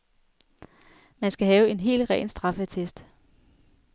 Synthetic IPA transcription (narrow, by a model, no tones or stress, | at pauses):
mænsɡ̥æɦɛːʊe̝nɦe̝̰ːlʁɛ̰ːnsd̥ʁɑ̈fət͡sʰesd̥